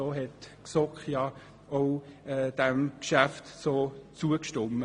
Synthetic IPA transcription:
oːɦɛtksɔkχjɑ | oʊɛd̥ɛmkʃæftsoːt͡suəkʃtʊmːə

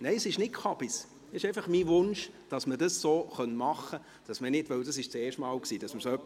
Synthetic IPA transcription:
neɪsɪʃnɪtkχɑb̥is | ɪʃɛɪfɑχmivʊnʃd̥ɑsməd̥ɑsːoːχœnmɑχːə | d̥ɑsmənɪdʋœwdɑsɪʃt͡sɛːʃtmɑːlksiːd̥ɑsməɾsoœpː

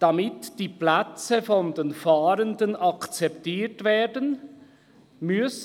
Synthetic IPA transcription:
d̥ɑmɪtd̥iːplɛt͡səfɔndenfaːɾəndənʔɑkt͡sɛptiːtveːdən | mʏs

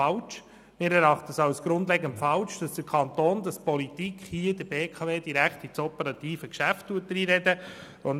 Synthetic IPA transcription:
ɑlt͡ʃ | mɪːɾɛɾɑχtəəsɑwsɡ̥ɾʊndlɛɡəntfɑlʃd̥ɑsd̥əɾkʰɑnt̪oːnd̥̪ɑspɔlitikχhiədəbeːkʰɑveːd̥iɾækχtit͡sɔpəɾɑt̪iːfəkʃæftːuət̚d̥̪ɾiːɾɛdə | on

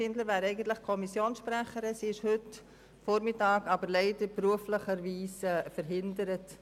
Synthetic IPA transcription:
ɪndləɾvæːɾɛɪɡən̩tləχkʰɔmisjoːnsʃpɾɛχəɾəsiːɪʃhʏt | fɔɾmɪtɑːɡɑbəɾlɛɪdəɾbruəfləχəɾviːsfəɾɦɪndəɾət

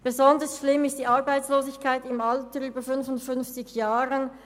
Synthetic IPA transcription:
b̥ezɔndəsʃlɪmɪstd̥iːʔaɐbaɪt͡sloːzɪçkʰaɪtɪmaltəyːbəfʏnfʊntfʏnft͡sɪçjaːʁən

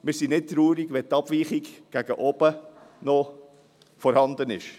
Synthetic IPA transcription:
mɪːɾsinɪt̚tɾuːɾiɡʋɛt̪ɑb̥ʋiːχiɡɡ̥æɡ̥əʔɔb̥ə | nɔ | fɔɾhɑnd̪ənɪ̰ʃ

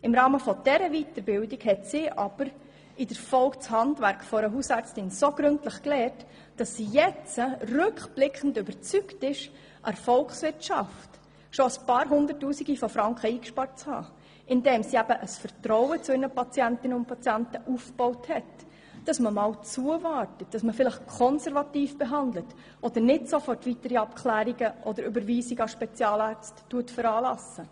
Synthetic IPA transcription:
ɪmɾɑːməfɔd̥ɛɾəvitəɾbɪldiɡhɛtsɪʔɑb̥əɾ | ɪd̥əɾfɔlkt͡shɑndvæɾkχfɔɾəɦuːsæɾt͡stɪnsoɡ̥ɾɵntləχklɛːɾt | d̥ɑsːijɛt͡sərʏkχb̥lɪkχən̩dʏbəɾt͡syktɪʃ | ʔɑɾfɔlkχsʋɪɾtʃɑft | ʃoəspɑːɾɦʊndərtːuːsiɡifɔfɾɑŋkχəiːkʃpɑɾt͡shɑ̰ː | ʔɪndɛːmsiæbəʔəsfəɾtɾɔwət͡sʊɪɾnəpɑt͡sjæntɪnəʊntpɑt͡sjæntəʔufb̥ɔʊthɛt | d̥ɑsməmɑːwt͡suəvɑːɾtət̚d̥ɑsməfɪləχkʰɔnsɛɾvɑtiːfb̥eɦɑndlət | ʔɔd̥̪əɾnɪtsofɔrtʋitəɾiɑpkʰlæːɾiɡəʔɔdəɾybəɾʋiːsiɡɑʃpɛt͡sjɑːlɑːɾt͡stːuətfəɾɑːlɑsə

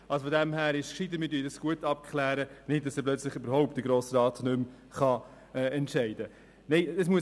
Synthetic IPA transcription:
ʔɑlsofodɛmhæːɾɪʃkʃɪdəmɪːtyːdɑsɡ̥uətɑp̚kʰχlæːɾənɪt̚dɑsɛplœt͡slɪχybəɾhɔʊptd̥əɡɾoːsəɾɑːtnʏm | χɑ | ɛːɛntʃɛɪd̥ə | nɛɪəsmuə

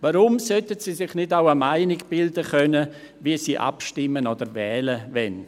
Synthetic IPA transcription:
vaɾʊmsœtətsiːsɪχnɪdaʊəmaɪnɪɡb̥ɪldəχœnə | viəsiːʔa̰pʃtɪmənoːdəɾvɛːləvɛn

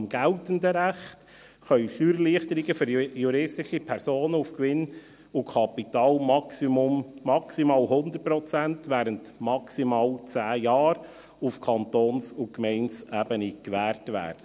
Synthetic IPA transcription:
mɡ̥æltəndəɾæχt | χœʏfyːɾliːχtəɾɪɡəfʏɾjuɾɪstɪʃipʰɛɾsoːnəufkʋɪn | ʊkʰɑpitɑːlmɑksʊmːɑksimɑːlhʊndətpɾɔt͡sæntvæːɾəntmɑksimɑːlt͡sæːjɑːɾ | ufkʰɑntoːnsʊkmɛɪnsæːbənikʋæːɾtvæ̰ːɾd̥ə

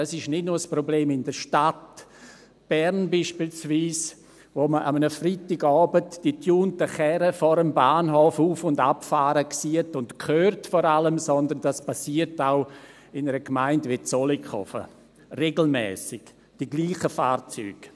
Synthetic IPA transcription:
asɪʃnɪtnuːɾsprɔbleːmɪndəʃtat | b̥ɛɾnbiːʃpiːlsviːs | voməʔamənəfritɪɡɔːbətd̥itʰjuːntəχɛɾəfɔɾəmbaːnɦofuːfʊndapfaːɾəksiːətʊntkʰøːrtfɔɾaləmsɔndənd̥aspasiːəɾtaʊ | ɪnəɾəkmaɪntʋɪt͡sɔlikχɔ̰fə̰ | reɡl̩mɛ̰ːsɪɡ̥ | d̥iɡliːχəfaːrt͡sy̰ːɡ̥

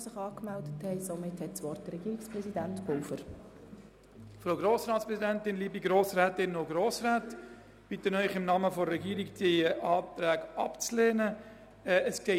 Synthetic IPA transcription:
sɪχɑːkmɛldəthɛɪsomɪthɛtsʋɔrtd̥əɾɛɡiːɪkspɾɛsidæntb̥olfəɾ | fɾoʊɡɾoːsɾɑːtspɾɛszidɛntɪnliːbiɡɾoːsræːtɪnoɡɾoːsraːt | b̥it̪ənœʏχɪmnɑːməfɔːɛɡiːəɾikdeʔɑːt̪ɾæːɡɑpt͡sleːnə | ɛəsɡ̥ɛ

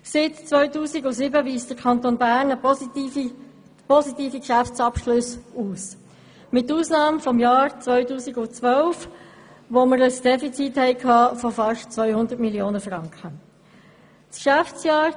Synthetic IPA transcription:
sɪːtt͡sʋœʏtuːsiɡʊsɪbəʋiːstdəɾkʰɑnt̪onbæːɾnə | pɔsit̪iːfikʃæft͡sɑpʃlʊsuːs | mɪtːuːsnɑːmfɔmjɑːɾt͡svœʏtuːsiɡʊt͡sʋœlf | ʋoməɾəsd̥ɛfit͡sithɛɪkʰɑːfɔfɑʃtt͡sʋœʏhʊndəɾtmiljoːnəfʁɑŋkχə | skʃæft͡sjɑːɾ

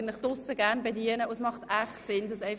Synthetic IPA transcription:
nlɪχd̥ʊsəɡæʁnbediənəʊsmɑχtæχtsɪnd̥ɑsɛɪ

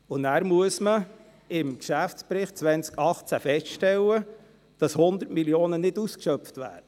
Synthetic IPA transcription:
ʊnæːɾmuəsmə | ɪmkʃæfspɾɪχtt͡sʋɛnt͡skɑχt͡sæfɛstʃtɛlːə | d̥ɑshʊnd̪əɾtmiljoːnənɪduskʃœpftʋæ̰ːɾə

